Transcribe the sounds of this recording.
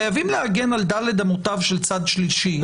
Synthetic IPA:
ajavimleaɡe̞nald̪ale̞d̪amot̪avʃelt͡sad̪ʃliʃi

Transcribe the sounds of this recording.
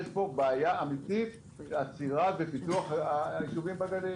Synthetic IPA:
ʃpo̞baajaamit̪it̪ | at͡siʁavepit̪uaχaiʃuvimbaɡade

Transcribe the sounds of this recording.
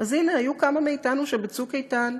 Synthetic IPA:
azineajukamameitanuʃebet͡sukejtan

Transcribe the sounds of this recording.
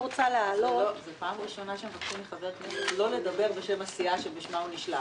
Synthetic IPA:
ot͡saleaːlozepaːmʁiʃo̞naʃemfakʃumeχaveʁtmelo̞le̞dabe̞ʁbe̞ʃe̞masiaʃebiʃmauniʃla

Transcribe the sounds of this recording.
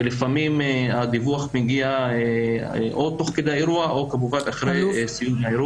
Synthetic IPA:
lifamimead̪ivuaχmiɡiaeʔot̪oχked̪eaeɾuaʔokabuvat̪aχɾejsijuneaiɾu

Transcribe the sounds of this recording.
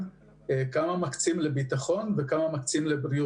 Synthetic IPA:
kamamakt͡simlebit̪aχo̞nvekamamakt͡simlebɾiu

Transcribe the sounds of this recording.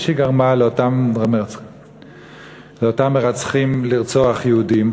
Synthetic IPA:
ʃeɡaʁmaleot̪amme | leotamːeʁat͡sχimliʁt͡soaχjeudim

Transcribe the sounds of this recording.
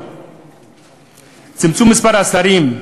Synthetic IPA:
t͡simt͡sumispaɾasaɾim

